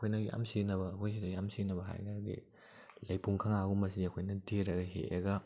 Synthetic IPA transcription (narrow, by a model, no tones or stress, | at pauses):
kʰojnɐja̰msinɐbɐːkʰojs̬idɐjamsinɐbɐɦa̰jkʰaɾɡḭ | lɐjpuŋkʰaŋaɡumɐs̬iɐkʰojnɐtʰeɾɐɡɐɦḛɐ̰ɡɐ